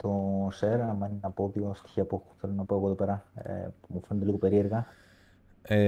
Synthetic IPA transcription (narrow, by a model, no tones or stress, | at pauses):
t̪oseɾɐmɐninɐpo̞ðiost̪i̥çiɐpuθe̞lo̞nɐpo̞eɣoðope̞ɾɐ̰ | mufe̞net̪eiɣo̞pe̞ɾie̞ɾɣɐ | e